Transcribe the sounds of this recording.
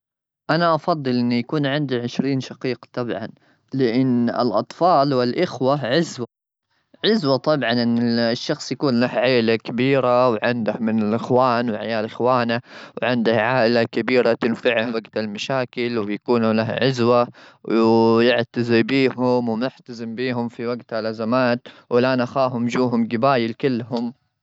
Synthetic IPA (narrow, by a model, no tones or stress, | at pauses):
ʔanaʔɑfɑðˤːɨlʔɪnːijakuːnʕɪnd̪iʕɪʃɾiːnʃɑqiːqt̪ˤɑbʕɑ̰n | lɪʔɪnːɪ̰lʔɑt̪ˤfɑːlwɪlʔɪxwaʕɪzwa | ʕɪzwat̪ˤɑbʕɑnʔɪnːɪʃːɑxsˤjakuːnlahʕaːɪlakabiːɾawʕɪnd̪ahmɪnɪlʔɪxwaːnwʕajaːlʔɪxwaːnawʕɪnd̪ahʕaːʔɪlakabiːɾat̪ɪnfɪʕhawaɡt̪almaʃaːkɪlwjakuːnlahʕɪzwawjɪʕt̪azɪbiːɦʊmwmɪħt̪azɪmbiːɦʊmfiwaɡt̪halʔazamaːt̪wɪlʔaːnʔaxaːɦʊmd͡ʒuːɦʊmɡɪbaːjɪlkɪlːɦʊm